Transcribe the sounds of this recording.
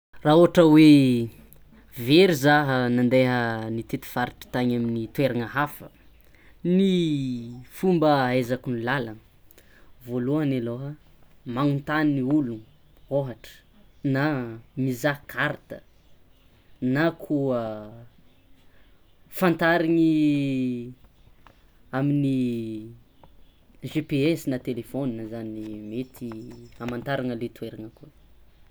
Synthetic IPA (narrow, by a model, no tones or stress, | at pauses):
raɦuaʈ͡ʂəwe | veɾizaɦənand̪eɦənit̪et̪i̥faɾiʈ͡ʂi̥t̪aɲaminit̪uweɾaŋaɦafə̰ | ni | fumbəezakunilala | voluaneloɦə | maŋunt̪anːiulu | oɦaʈ͡ʂə̥namizakʰaɾt̪ə̥ | nakʰuə | fant̪aɾiŋi | amini | ʒepeesinat̪elefoninzanimet̪ʰiamant̪aɾaŋəlet̪ueɾaŋəkuə